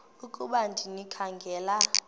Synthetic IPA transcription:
ukʼuɓandʱinikʰaŋɡʱɛːla

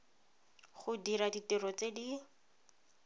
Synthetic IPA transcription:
χʊdiɾaditirɔt͡sedi

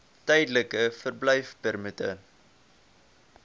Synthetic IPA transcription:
tɛjdləkəfərblɛjfpɛrmətə̰

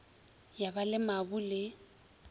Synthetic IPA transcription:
jabalɪmabʊlɪ

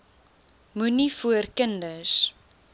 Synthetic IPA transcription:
munifuərkəndəs

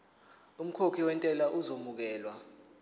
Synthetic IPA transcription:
um̩kʰokʰiwɛntʼɛlaʔuzomuk̬ɛːlwa

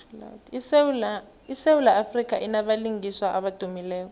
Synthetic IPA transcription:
la̰d | isewulaːfrik̬a̰ʔinaɓaliŋiswaʔaɓad̥ʱumilɛːk̬ɔ

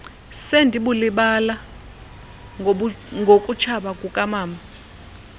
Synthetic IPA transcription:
sendʱiɓuliɓala | ŋɡʱokʼut͡ʃʰaɓakʼukʼamaːmbʱa

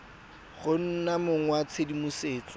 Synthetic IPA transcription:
ɣʊn̩namʊŋwat͡sʰedimuseːt͡sʼɔ

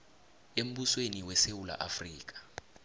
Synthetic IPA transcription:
em̩ɓusweniwɛsewula̰ʔafriːk̬ḁ

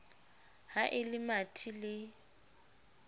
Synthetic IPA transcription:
haʔɪlɪmatʰilɪ

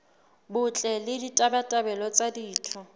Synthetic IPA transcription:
bʊt͡ɬʼɛlɪditʼabatʼabɛlɔt͡sʼadiːt͡ɬʰɔ

